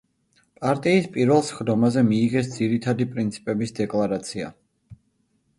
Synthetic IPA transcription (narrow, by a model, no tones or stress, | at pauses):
pʼaɾt̪ʼiːspʼiɾvɛlˠsχd̪ɔmazɛmiːʁɛsd̪ziɾit̪ʰad̪ipʼɾint̪sʰi̥pʼɛbisd̪ɛkʼlˠaɾat̪sʰia̰